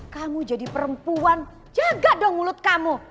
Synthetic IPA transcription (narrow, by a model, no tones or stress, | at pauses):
kamud͡ʒadipəɾəmpuan | d͡ʒaɡadɔŋulʊt̪̚kamu